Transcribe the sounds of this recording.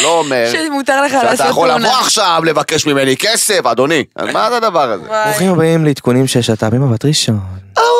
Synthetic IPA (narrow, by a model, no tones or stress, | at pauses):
loːmeʁmut̪aʁleχalasaoaolːaoaχʃavle̞vake̞ʃmime̞nikesefad̪o̞nia̰zmazad̪avaʁazeʁoχimhabaimleit̪kunimʃeʃat̪abimamat̪ʁiʃono